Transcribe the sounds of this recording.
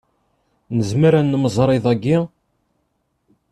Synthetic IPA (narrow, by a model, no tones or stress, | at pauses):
nəzməɾænːməzˤɾˤeðˤæɡːi